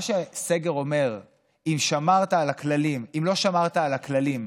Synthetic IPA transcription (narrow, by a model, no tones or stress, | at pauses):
ʃese̞ɡe̞ʁo̞me̞ʁ | imʃamaʁt̪aːlaklalimimlo̞ʃamaʁt̪aːlaklalim